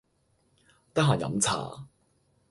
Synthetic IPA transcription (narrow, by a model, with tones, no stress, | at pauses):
t̪ɐ˥ɦaː˨˩jɐ̰˨˥mt͡sʰa̰ː˨˩